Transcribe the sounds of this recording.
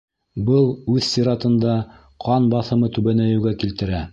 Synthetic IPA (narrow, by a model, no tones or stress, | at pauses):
bɤlˠʉðsʲiɾɑt̪ɤ̆nd̪ɑ | qʰɑnbɑθɤ̆mɤt̪ʉβænæjɘ̆wɡækilt̪ɘ̆ɾæ